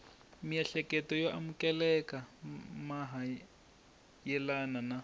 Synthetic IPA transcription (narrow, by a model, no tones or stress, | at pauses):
mijaɬɛkɛtɔjoʔamukɛlɛkamaɦa | jɛlanana